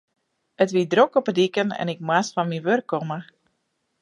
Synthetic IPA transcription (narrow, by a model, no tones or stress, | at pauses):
ətʋidrokɔpədikənɛ̰nɪk̚mwasfɔnmiʋørkːɔmə